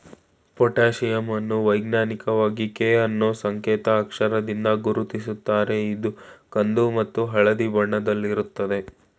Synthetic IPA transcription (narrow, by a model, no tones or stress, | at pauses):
pɔʈaːʃijɐmɐnːuʋɐjɡnaːnikɐʋaːɡikeːɐnːoːsɐŋkeːt̪ɐːkʂɐɾɐd̪ind̪ɐɡuɾut̪isut̪ːaːɾe̞id̪ukɐnd̪umɐt̪ːuɦɐɭɐd̪ibɐɳːɐd̪ɐlːiɾut̪ːɐd̪e̞